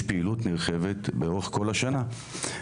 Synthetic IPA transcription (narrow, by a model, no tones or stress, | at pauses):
piilutniʁχe̞ve̞tbeo̞ʁeko̞laʃana